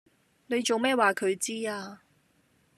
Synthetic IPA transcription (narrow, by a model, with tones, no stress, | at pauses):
ne˨˧jt͡so˨wmɛː˥waː˨kʰɵ˨˧ɥt͡siː˥aː˧